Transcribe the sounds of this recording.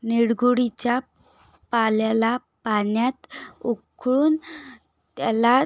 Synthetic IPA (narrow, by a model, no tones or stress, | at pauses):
niɽɡʱuɽit͡ɕja | paljala | panjat̪ukʰɭuːn | t̪ala